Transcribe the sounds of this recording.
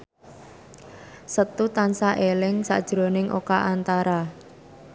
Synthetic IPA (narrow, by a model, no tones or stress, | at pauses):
sət̪ut̪ansaʔelɪŋsa̰ʔd̥ʒ̥ɾo̤nɪŋʔo̰kaʔant̪aɾa